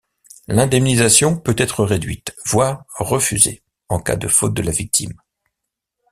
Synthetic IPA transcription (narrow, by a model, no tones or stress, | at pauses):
lɛ̃d̪ɛmnizasjɔ̃pøt̪ɛt̪χəʁed̪ɥit̪v̥waʁːəfyzḛ | ɑ̃ka̰d̪əfot̪̚d̪əlavik̚t̪ʰim